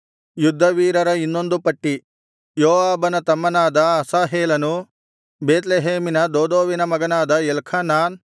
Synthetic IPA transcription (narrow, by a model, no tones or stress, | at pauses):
jud̪ʱːɐʋiːɾɐɾɐinːo̞nd̪upɐʈːi | joːʋaːbɐnɐt̪ɐmːɐnaːd̪ɐɐsaːɦeːlɐnu | beːt̪̬leɦeːminɐd̪oːd̪oːʋinɐmɐɡɐnaːd̪ɐɛlkʰɐnaːn